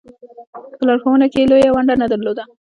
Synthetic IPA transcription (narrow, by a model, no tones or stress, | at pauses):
pəlɑɽxowənakelojawaɳɖanad̪aɾlod̪a